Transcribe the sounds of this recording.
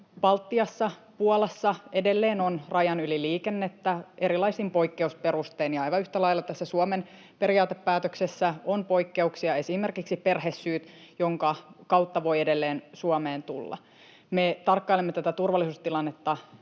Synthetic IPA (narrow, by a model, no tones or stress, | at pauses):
pɑlt̪ːiɑsːɑpuolɑsːɑe̞delːeːnonrɑjɑnyliliːkenːet̪ːæe̞ɾilɑisimpo̞ikːe̞uspe̞ɾust̪eːnjɑɑjʋɑyht̪ælɑilːɑt̪æsːæsuomen | peɾiɑːt̪epːæːt̪øksesːæonpo̞ikːe̞uksiɑe̞sime̞rkiksipe̞rɦesːyːt̪joŋkɑkɑwt̪ːɑʋo̞jedelːeːnsuɑmeːnt̪ulːɑ̰ | met̪ɑrkːɑilemːet̪æt̪æt̪urʋɑlːˑisuːst̪ilɑnːet̪ːɑ